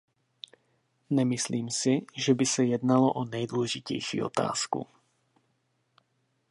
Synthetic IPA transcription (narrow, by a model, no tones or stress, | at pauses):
ɲɛmisliːmsiʒɛbisajɛd̪nalɔʔɔnɛjd̪ulɛʒicɛ̰jʃḭːɔ̰t̪a̰ːskṵ